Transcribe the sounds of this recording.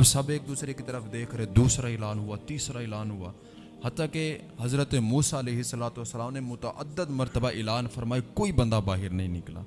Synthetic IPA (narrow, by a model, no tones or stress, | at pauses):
bsɐbeːk̚d̪uːsɾekit̪əɾəfʰd̪eːkʰɾed̪uːsɾaɪlaːnɦʊat̪iːsɾaɪlaːnɦʊaː | hɐt̪ːaːke | ɦɐzɾət̪emuːsaɐleːɦɪsːɐlaːt̪ʋəsːəlaːmnemʊt̪əʔə̰d̪ːəd̪mɐɾt̪əbaʔɪlaːnfɐɾmaːikoːibɐ̃nd̪abaːɦɪɾnɐɦĩnɪkla̰ː